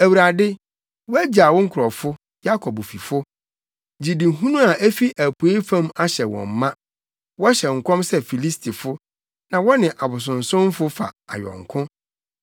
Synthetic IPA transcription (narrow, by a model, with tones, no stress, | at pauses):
æ˨wu˨ɾa˨dɪ˦ | wɔ˦æ˦d͡ʑa˨wɔ˦ŋ̩˦kʰʊ˨ɾɔ˨fʊ˦ | ja˦kʰɔ˨bo˨fi˨fʊ˦ | d͡ʑi˨dĩ˨ɦũ˦nũ˦a˨ʔæ˦fi˦ʔæ˨pʰu˨e˦fã˦ma˦ɕɛ˨wɔ̰̃˨m̩ː˨ã˦ | wɔ˦ɕɛ˨ŋ̩˨kʰɔ̃˦msɛ˦fi˨li˦stʰi˨fʊ˦ | nã˨wɔ˦nɪ̃˨ʔa˨bʊ˨s̬ʊ̃˨n̩˨sʊ̃˦m˦fʊ˦fa̰˨a̰˨ɥɔ̰˨ŋ̩˨kʰʊ̃˦